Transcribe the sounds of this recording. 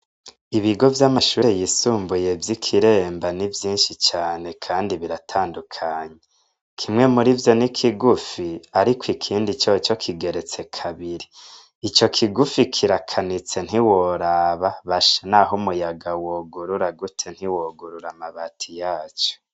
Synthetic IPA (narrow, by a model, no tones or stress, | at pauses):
iβiɡo̞vjamaʃuːɾejisuːmbuje̞vjikʰiɾe̞ːmbanivjiːnʃit͡ʃaːne̞kʰaːndiβiɾatʰaːndukʰaːɲe | kʰimŋe̞muɾivjo̞nikʰiɡufiaɾikwikʰiːndit͡ʃot͡ʃo̞kʰiɡe̞ɾe̞t͡se̞kʰaβiɾiː | t͡ʃo̞kʰiɡufikʰiɾakʰanit͡se̞n̥iwoɾaːβaβaʃanaːɦumujaɡawoːɡuɾuɾaɡutʰe̞n̥hiwoːɡuɾuɾamaβatʰijaːt͡ʃo̥